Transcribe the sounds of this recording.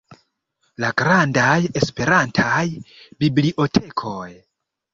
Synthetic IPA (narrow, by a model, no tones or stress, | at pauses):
laɡɾandaje̞spe̞ɾantʰajbibliʔo̞tʰe̞kʰo̞j